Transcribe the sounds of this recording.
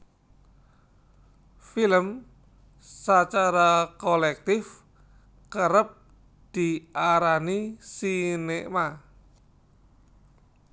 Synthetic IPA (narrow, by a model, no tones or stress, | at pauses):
filəm | sat͡ʃaɾakolɛk̚t̪ɪf | kəɾəp̚ | d̪̥i̤aɾanisinema